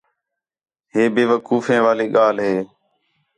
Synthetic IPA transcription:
ɦeːbeːʋəkuːfẽːʋaːleːɠaːlɦeː

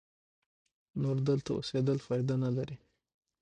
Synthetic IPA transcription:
noɾd̪əlt̪ao̰sed̪əlfɑjd̪analaɾi

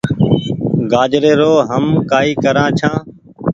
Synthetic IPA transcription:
ɡaːd͡ʒɾeːɾoːɦəmkaːiːkəɾãːt͡ʃʰãː

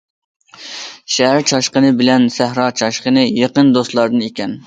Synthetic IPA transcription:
ʃæɦæɾt͡ʃʰɑʃqənɨbɪlɛnsæhɾɑːt͡ʃʰɑʃqənɨjeqənd̪ost̪lˠɑɾd̪ɨnekʲɛn

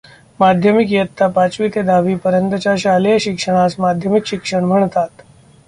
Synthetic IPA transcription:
mad̪ʱjəmikjət̪ʰːapat͡ɕʋit̪ed̪ʱaʋiːpəɾənt̪ət͡ɕjaɕalejəɕikʂəɽ̃asmad̪ʱjəmikɕikʂəɳm̤ʱəɳ̃t̪at̪

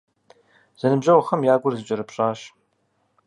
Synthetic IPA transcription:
z̥ɐnɨbʑɐwɐχɐmjaːɡʷʊrzɨt͡ʃʼɐɾɨpɕʼaːɕ

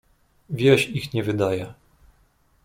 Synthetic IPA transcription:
vʲjɛɕixɲɛvɘd̪ajɛ

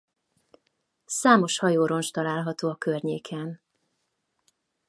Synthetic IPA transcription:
saːmo̞ʃhɒjoːɾo̞nʃt̪ɒlaːlɦɒt̪oːɒkørɲeːkʰɛn

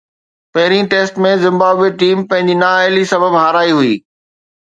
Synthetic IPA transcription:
pɐɦɪɾĩʈeːsʈmẽzɪ̃mbaːbweʈiːmpɐ̃ɦɪ̃ɲd͡ʑinaːelisɐbəbɦaːɾaːiɦuiː

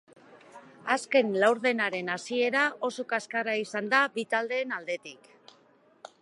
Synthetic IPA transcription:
aske̞nlawɾðe̞naɾe̞nasie̞ɾaʔo̞sokaskaraisand̪abit̪ald̪e̞ːnald̪e̞t̪ik

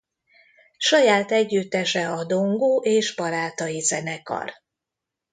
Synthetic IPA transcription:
ʃɒjaːt̪ɛɟːyt̪ːɛʃɛɒd̪o̞ŋɡoːʔeːʒbɒɾaːt̪ɒizɛnɛkɒ̰r

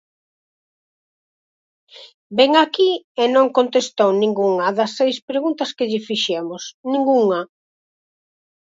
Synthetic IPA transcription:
bɛŋakienõŋkont̪est̪ownĩŋɡuŋɐðɐsːejspɾeɣunt̪ɐskɪʎɪfiʃɛmʊsnĩŋɡuŋɐ

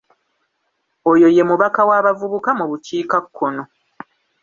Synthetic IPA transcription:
ojo̞je̞muβakawaːβavuβukamuβuciːkakʰːono

